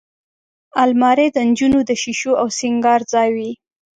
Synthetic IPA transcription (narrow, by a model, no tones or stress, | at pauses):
almɑɾed̪ənd͡ʒunod̪əʃiʃoawsɪŋɡɑɾzɑjwi